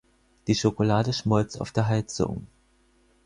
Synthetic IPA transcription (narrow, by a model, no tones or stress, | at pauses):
d̥iːʃokolaːdəʃmɔlt͡sta̰ʊfd̥eːɐɦaɪt͡sʊ̰ŋ